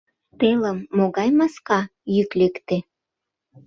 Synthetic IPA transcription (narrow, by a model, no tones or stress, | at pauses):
t̪eləmːoɣɑjmɑskɑjyklekt̪e